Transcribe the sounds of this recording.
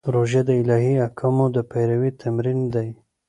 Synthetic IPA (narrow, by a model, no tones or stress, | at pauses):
pɾoʒed̪əɪlɑɦiakʰamod̪əpajɾawit̪ʰamɾind̪aj